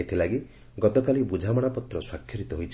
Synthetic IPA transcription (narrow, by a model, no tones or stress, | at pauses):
et̪ʰilaɡi | ɡɔt̪ɔkalibud͡ʒʱamɔɽ̃apɔt̪ɾɔswakʰjɔɾit̪ɔɦojt͡ʃʰ